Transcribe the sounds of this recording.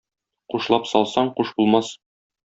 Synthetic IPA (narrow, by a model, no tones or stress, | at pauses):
quʃlˠɑpsɒlˠsɑɴquʃbulˠmɑs